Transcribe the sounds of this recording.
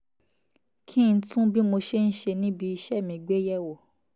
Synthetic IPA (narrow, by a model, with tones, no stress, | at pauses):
kʰĩ˦˨n̩˦tũ˦bi˦mo˧ʃe˦n̩˦ʃe˧nĩ˦bi˧i˧ʃɛ˦˨mĩ˧ɡ͡be˦jɛ˦˨wo˨